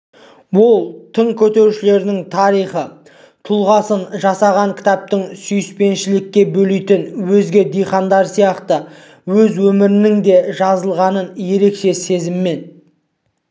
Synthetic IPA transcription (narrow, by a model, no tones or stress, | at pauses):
wolˠt̪ʰəɴkʲʰɵt̪e̞ɾuʃɪle̞ɾd̪ɪŋt̪ʰɑɾijχə | t̪ʰʊlˠʁɑsənʒɑsɑʁɑŋkʲʰɪ̥t̪ɑp̚t̪ɪŋsʏjɪspe̞nʃɪlɪkʲːe̞bɵlijt̪ɪnwɵzɡʲe̞d̪ijχɑnd̪ɑɾsijɑqt̪ə | wɵzwɵmɪɾɪnɪŋd̪e̞ʒɑzəlˠʁɑnənje̞ɾe̞kʃe̞se̞zɪmːe̞n